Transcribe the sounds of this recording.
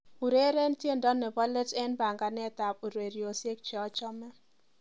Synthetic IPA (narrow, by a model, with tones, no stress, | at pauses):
u˨ɾe˦ɾɛ˦ntje˦˨ndɔ˦nːɛ˨ba˦lɛ˦tɛ˦nba˨ŋɡa˨nɛ˦˨t̪a˨pu˨ɾwe˨ɾi˨o˨sje˦k̚t͡ʃɛ˨ɔ˦t͡ʃɔ˦mɛ˦